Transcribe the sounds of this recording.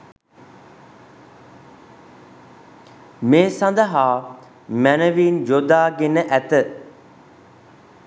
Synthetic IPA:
meːsãnd̪əɦaː | mænəʋiːnd͡ʒod̪aːɡenəʔæt̪ə

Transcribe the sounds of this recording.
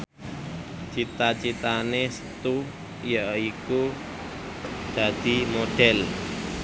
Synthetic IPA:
t͡ʃit̪at͡ʃit̪anesə̥t̪u | jaʔiku | d̪̥ä̤d̪̥i̤moɖ̥ɛl

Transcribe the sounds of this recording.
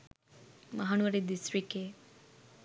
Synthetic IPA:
mɐɦanuʋɐɾid̪isɾike

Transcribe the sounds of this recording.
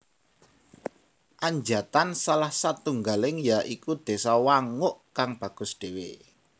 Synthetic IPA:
ʔaɲd͡ʒat̪ansalahsat̪uŋɡalɪŋjaʔikud̪̥e̤sawaŋʊʔkaŋb̥ä̤ɡ̥ʊ̤sɖ̪̥ewe

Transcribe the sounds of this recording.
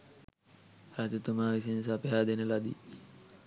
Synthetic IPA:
ɾat̪ut̪umaːʋis̬ensapeɦaːd̪enəlad̪i

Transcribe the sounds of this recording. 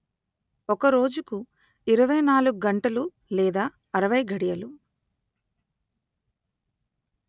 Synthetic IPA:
ɔkɐɾo̞ːd͡ʒuku | iɾɐʋɐjnaːluɡuɡɐɳʈɐlu | lɛːd̪aː | ɐɾɐʋɐjɡɐɽijɐlu

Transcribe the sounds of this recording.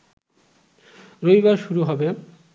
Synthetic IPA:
ɾoibaɾʃuɾuɦɔbe

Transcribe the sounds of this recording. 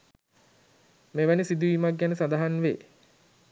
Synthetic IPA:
meʋænisid̪uʋiːmakɡænəsad̪aɦanʋḛː

